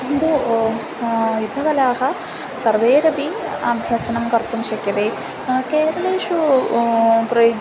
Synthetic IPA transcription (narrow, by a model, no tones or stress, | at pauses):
nd̪u | jud̪ʱːɐkɐlaːɦɐ | sɐɾʋeːɾɐʋiaːbʱjɐsɐnɐmkɐɾt̪umʃɐkjɐt̪eː | keːɾɐɭeːʂu | pɾɐjo